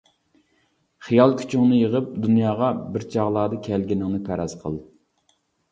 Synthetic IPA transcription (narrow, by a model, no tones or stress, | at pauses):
χijɑlˠkʲʰy̥t͡ʃʰiunɨjəʁəp̚d̪unjɑːʁɑbɪɾt͡ʃʰɑʁlˠɑːd̪ɨkʲʰɛlɡʲinɪŋnɨpʰæɾɑz̥qʰəlˠ